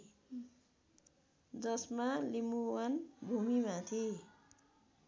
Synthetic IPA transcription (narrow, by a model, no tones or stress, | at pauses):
d͡zʌsmalimuwanbʱumimat̪ʰe